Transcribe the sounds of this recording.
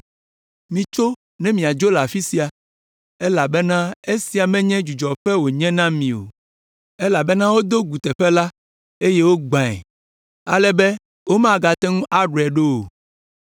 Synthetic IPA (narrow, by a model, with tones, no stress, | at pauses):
mĩ˨t͡ʃo˦ | nɛ̃˦mĩ˨a˨d͡ʒo˦la˨fi˦si˨a˨ | ɛ˦la˨bɛ˦nã˦e˦si˨a˨mɛ̃˦ɲɛ̃˦d͡ʒu˨d͡ʒɔ˨ɸɛ˦wo˨ɲɛ̃˦nã˦mĩ˨o̰˨ | ɛ˦la˨bɛ˦nã˦wo˦d̪o˦ɡu˨t̪ɛ˨ɸɛ˦la˦ | e˦je˦wo˦ɡ͡bã˨ɛ̰˨ | a̰˨lɛ˨bɛ˦ | wo˦mã˦˨ɡa˨t̪ɛ˦ŋũ˦ʔa˦ɖɛ˨ɖo˦o˨